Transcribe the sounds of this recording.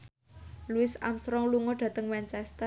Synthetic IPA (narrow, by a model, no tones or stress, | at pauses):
luɪsa̰msɾɔŋluŋoɖ̪̥ä̤t̪əŋmɛnt͡ʃɛst̪ə